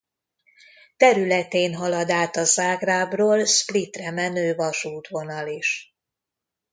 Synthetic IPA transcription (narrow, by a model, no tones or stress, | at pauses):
t̪ɛɾylɛt̪eːnɦɒlɒd̪aːt̪ɒzaːɡraːbroːlsplit̪rɛmɛnøːvɒʃuːt̪ʋo̞nɒliʃ